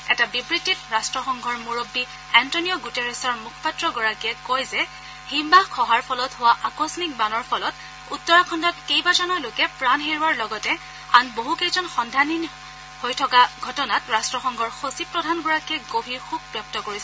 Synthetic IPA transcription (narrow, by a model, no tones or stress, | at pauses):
ɛtabibɹitːitɹastɹɔxɔŋɡʱɔɹmuɹobːi | ɛntonijɔɡutɛɹɛsɔɹmukʰɔ̥patɹɔɡɔɹakiɛkojzɛ | himbakʰɔɦaɹpʰɔlɔtɦʊwaʔakɔsɔnik̚banɔɹpʰɔlɔt | utːɔɹakʰɔndɔtkejbad͡ʒɔnɔlokɛpɹanɦeɹuaɹlɔɡɔtɛ | anboɦukejzɔnxɔndʱanin | hojtʰɔkaɡʱɔtɔnatɹastɹɔxɔŋɡʱɔɹxosipɹɔdʱanɡɔɹakiɛɡobʱiɹxub̚bjɔp̚tɔkoɹisɛ